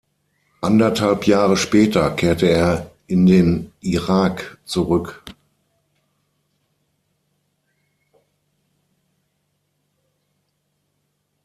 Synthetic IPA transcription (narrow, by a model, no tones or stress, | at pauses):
ʔandɐthalpjaːʁəʃpɛːtɐkʰeːɐtəeːɐʔɪndeːnʔiʁaːkt͡suʁʏk